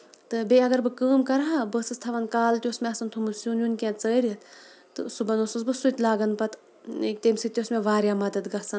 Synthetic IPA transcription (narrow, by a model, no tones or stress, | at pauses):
t̪ɨbʲeɐɡɐɾbɨkəːmkɐɾɦabəsɨst̪ʰɐʋɐnkaːlt̪ʲiosmeɐsɐnt̪ʰumusjunjunʲkʲẽːt͡səːɾʲiɐt̪t̪ɨ̰subɐnosɨsbɨsut̪ʲlaːɡɐnpɐt̪ | ekt̪eːmsɨt̪ʲosmeʋaːɾjaːmɐd̪ɐd̪ɡɐsɐn